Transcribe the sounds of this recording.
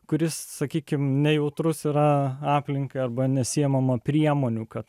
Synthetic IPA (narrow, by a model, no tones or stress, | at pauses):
kʊɾʲɪssɐkʲiːkʲɪmnʲɛjɛʊt̪ɾʊsiːɾɐɑːpʲlʲɪŋkɐɪɐrbɐnʲɛsʲɪɛmɐmɐpʲɾʲiɛmoːnʲuːkɐt̪